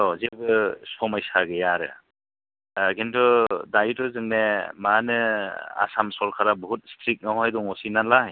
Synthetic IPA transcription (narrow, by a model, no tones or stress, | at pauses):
ɔzebɯsɔmajsaɡɯjaɾɯ̰ | ɡintɔdajtuzɯŋnemanɯa̰samsɔɾkʰaɾabɔɦut̚stɾik̚nawɦajduŋɔsinalaɦj